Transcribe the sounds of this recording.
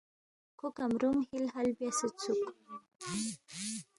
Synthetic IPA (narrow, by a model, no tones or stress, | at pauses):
kʊkamɾumhɪlhalbjasət͡suk